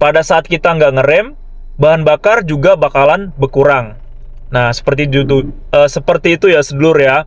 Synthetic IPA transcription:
padasaːt̪̚kit̪aəŋɡaʔŋəɾɛm | baɦanbakard͡ʒuɡabakalanbərkuɾaŋ | nahsə̥pərt̪id͡ʒut̪u | əːsəpərt̪iːt̪ujasədəlʊrja

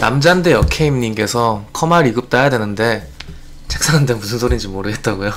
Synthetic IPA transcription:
na̰md͡ʑande̞jʌkʰe̞imɲiŋk͈e̞sʰʌkʰʌmaɾiɡɯp̚t͈ajadwe̞nɯnde̞ | t͡ɕek̚s͈ʰanandemusʰɯnsʰoɾind͡ʑimːoɾɯɡe̞t̚t͈aɡujo

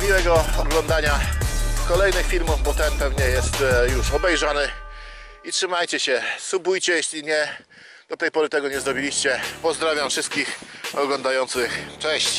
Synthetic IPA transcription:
mʲiwɛɡɔɔɡlɔnd̪aɲakɔlɛjnɘxfʲiɾmuvbɔt̪ɛnpɛvɲɛjɛst̪juʂɔbɛjʐanɘ | itʂɘmajt͡ɕɛɕɛsubujt͡ɕɛjɛɕlʲiɲɛ | d̪̥ɔt̪ɛjpɔɾɘt̪ɛɡɔɲɛzɾɔbʲilʲiɕt͡ɕɛpɔzd̪ɾavʲjamfʂɘst̪̚kʲixɔɡlɔnd̪ajɔnt̪sɘxt͡ʂɛɕt͡ɕ

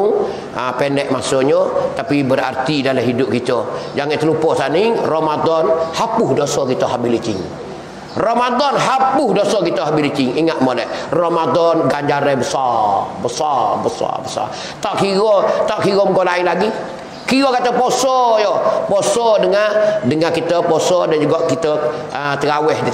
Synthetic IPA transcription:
ŋ | apɛnɛk̚masɔɲɔt̪apibəɾa̰rt̪idalaɦidʊp̚kit̪ɔd͡ʒaŋɛʔt̪əlupɔʔsaniŋromadɔnhapʊhdosɔkit̪ɔɦabilit͡ʃɪ̰ŋ | romadɔnɦapʊhdosɔkit̪ɔɦabilit͡ʃɪŋiŋaʔ̪molɛrɔmadɔnɡaɲd͡ʒaɾɛbəsabəsabəsa̰bəsa̰ | t̪aʔkiɣot̪aʔkiɣoməɡolaɪnlaɡi | kiɣokat̪əposɔjoposɔdəŋadəŋakit̪əposodand͡ʒuɡɔʔkit̪əət̪əɾawɛh

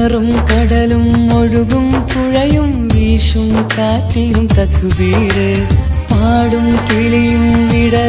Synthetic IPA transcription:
ɐɾɯmkɐɽɐlɯmɔɻuɣɯmkʊɻɐjɯm | ʋiːʂɯmkaːʈ̪ːiːlɯmt̪ɐkːɯʋiːɾemaːɽɯmt̪iɭijumʋiɽɐ

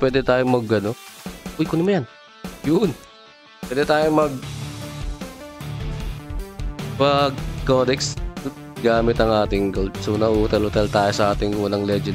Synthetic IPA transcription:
pwɛːd̪ɛt̪aːjomɐɡɐnoʊjkonɪmɐjan | jʊn | pwɛːd̪ɛt̪aːjomɐɡ̚ | pɐɡkoːd̪ɛks | ɡaːmɪt̪ɐŋʔaːt̪ɪŋɡolsonɐʔuːt̪ɛlʊt̪ɛlt̪aːjosɐʔaːt̪ɪŋwɐlaŋlɛd͡ʒɛ

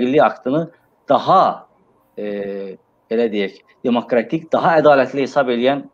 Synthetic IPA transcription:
ɡilʲːiakt̪ʰɯnɯ | d̪̥aɦa | ɛ | belʲɛd̪ijɛc | d̪̥emo̞kɾat̪ʰicd̪̥aɦaed̪aːlʲɛt̪lʲihesape̞lʲijæn

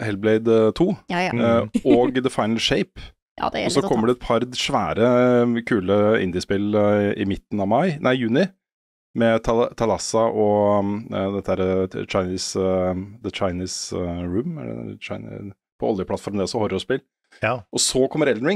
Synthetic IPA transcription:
hɛlblɛɪd̪t̪ʰuː | ɔɡd̪əfɑɪnlʂeɪp | ɔssɔkʰɔmːəɖɛɛt̪̚pʰɑɾʂʋæːɾəkʰʉːləɪ̰nd̪ɪspɪlɪ̰mɪt̪ːn̩ɑʋmɑɪnʔæɪjʉːnɪ | mɛt̪ʰɑt̪ʰɑlɑsɑʔɔ | d̪ɛt̪ːəæːɾət͡ʃaɪniːs | ðət͡ʃaɪniːsɾʉːmɛ̰t͡ʃa̰ɪn̰ | pʰɔɔljəpʰlɑt̪fɔɾmɛsɔhɔɾɔspɪl | ʔɔsɔkʰɔmːəɾɛld̪ɹɪ

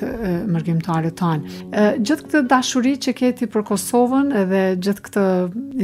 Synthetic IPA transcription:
məɾɡimt̪aɾɛt̪ːand͡ʑəθk̚t̪əd̪aʃuɾit͡ɕəkɛt̪ipəɾkɔsɔvənɛðɛd͡ʑəθkt̪ə

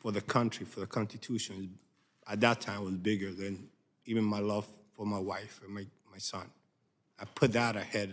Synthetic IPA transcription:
fə˞ðɨkʰʌ̃nt͡ʃɹ̥ifə˞ðɨkʰɑ̃nstɨtʰʉʃɨ̃nz | ət̪̚ðətʰãɪ̃mwʌzbɪɡə˞ðɨ̃n | ivɨ̃nmaɪlʌv̥fə˞maɪwaɪfɨ̃nmaɪmaɪsʌ̃n | aɪpʰʊt̪̚ðɨɾɨhɛd

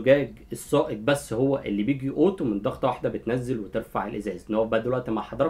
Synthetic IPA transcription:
ɡæːɡ | esˤːɑːʔeb̪̚bæsːhowːæʔelːiːbjeɡiʔoːt̪mend̪ɑxt̪ˤwaħd̪æbet̪næzːelwet̪eɾfa̰ʕelʔezæːzʔenːhowæbaʕd̪ælwæʔt̪imaħɑd̪ˤɑɾˤɑ

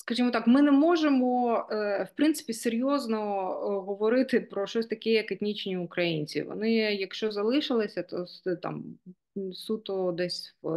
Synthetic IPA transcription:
skɐʒimɔt̪ɑkmɪnɛmɔʒemɔ | wpɾɪnt̪ɪ̥pʲiseɾʲjɔznɔɦɔʋɔɾɪt̪ɪpɾɔʃɔsʲt̪ɐkɛjɐket̪ʲnʲit͡ʃnʲiʊkɾɐjinʲt͡sʲḭʋɔ̰nɪjɐkʃt͡ʃɔzɐlˠɪʃɪlˠɪsʲɐt̪ɔ̰t̪a̰m | sut̪ɔd̪ɛsʲw

